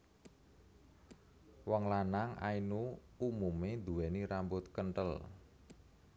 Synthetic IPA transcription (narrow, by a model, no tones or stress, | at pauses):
wɔŋlanaŋʔa̰inu | umumend̪uwɛniɾambʊt̪̚kəɳʈəl